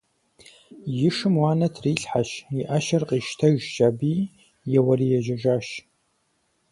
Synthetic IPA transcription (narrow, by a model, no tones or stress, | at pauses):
jɪʂɨmwaːnɐtʰriːɬħaʃiʔɐʃɐrqʼiːʃtʰɐʒd͡ʒaːbiː | jɛwɐɾiːjɛʒɐʒaːʃ